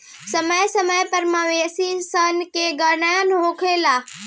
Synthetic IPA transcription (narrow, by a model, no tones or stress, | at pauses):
sɐməjsəməjpəɾmaʋeːsisənkeɡəɳajənɦoːkʰeːlaː